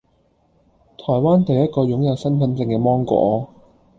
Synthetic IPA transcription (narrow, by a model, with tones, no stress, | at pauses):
t̪ʰɔː˨˩jwaː˥nt̪e˨jɐ˥t̚kɔː˧jʊ˨˥ŋjɐ˨˧wsɐ˥nfɐ˨˥nt͡sɪ˧ŋkɛː˧mɔː˥ŋkʷɔ̰ː˨˥